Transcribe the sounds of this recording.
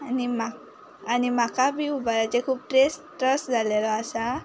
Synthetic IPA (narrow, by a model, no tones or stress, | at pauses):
nima | animakabiubaɾat͡ʃɛkʰup̚ʈɾestɾɔsdalɛlɔasa